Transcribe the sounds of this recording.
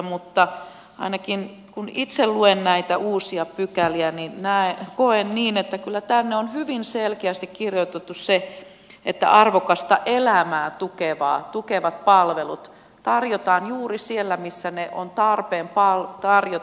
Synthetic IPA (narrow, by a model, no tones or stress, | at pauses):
mut̪ːɑ | ɑ̰inɑkin | kunit̪selluennæit̪æʔuːsiɑpykæliæninnæːekoenniːnet̪ːækylːæt̪ænːeonhyʋinselkeæst̪ikkirjot̪et̪ːusse | et̪ːæ̰ʔɑrʋokɑst̪ɑʔelæmæːt̪ukeʋɑ̰ːt̪ukeʋɑt̪̚pɑlʋelut̪ | t̪ɑrjot̪ɑːnjuːrisielːæmisːæneʔont̪ɑrpeːmpɑlt̪ɑrjo